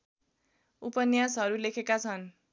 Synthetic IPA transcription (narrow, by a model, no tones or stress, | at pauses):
upʌnjasɦʌɾulekʰekat͡sʰʌn